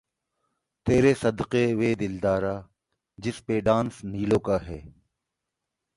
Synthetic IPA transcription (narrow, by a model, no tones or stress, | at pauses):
t̪eːɾesɐd̪qeʋeːd̪ɪld̪aːɾaː | d͡ʒɪspeːɖãːnsniːlõːkaːɦɛː